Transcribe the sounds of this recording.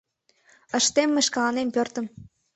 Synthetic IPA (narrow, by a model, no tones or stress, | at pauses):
ə̆ʃt̪emːeʃkɑlɑnempørt̪ə̆m